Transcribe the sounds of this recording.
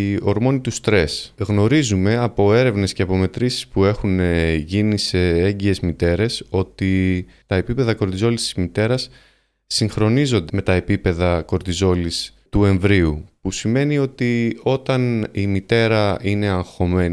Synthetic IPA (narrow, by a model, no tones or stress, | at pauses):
o̞ɾmo̞nit̪ust̪ɾe̞sɣno̞ɾizume̞ɐpo̞e̞ɾe̞vne̞sceɐpo̞me̞t̪ɾisi̥spue̞xunʝinise̞eɲɟie̞zmit̪e̞ɾe̞so̞t̪i | t̪ɐe̞pipe̞ðɐko̞ɾt̪izo̞list̪izmit̪e̞ɾɐsː | iŋxɾo̞nizo̞nd̪eme̞t̪ɐe̞pipe̞ðɐko̞ɾt̪izo̞list̪ue̞ɱvɾiupusime̞nio̞t̪io̞t̪ɐnimit̪e̞ɾɐine̞ɐŋxo̞me̞ni